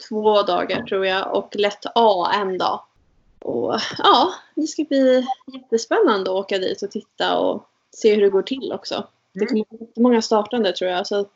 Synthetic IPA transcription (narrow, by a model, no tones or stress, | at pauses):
t̪ʰvoːd̪ɑ̰ːɡaʈʰɾuːɾjaʔɔ̰klɛt̪ʰːɑːɛnd̪ɑ̰ː | ʔɔ̰ɑːd̪ɛskabliːjɛt̪ːəspɛnːand̪əɔoːkad̪ḭːt̪ɔt̪ʰɪt̪ːa̰ɔ̰ | seːhɵɖɛɡoːʈʰɪlːʔɔksɔ̰ | dd̪ɛkʰɔməijɛt̪ːəmɔŋːast̪ɑːʈand̪ət̪ʰɾuːjasɔ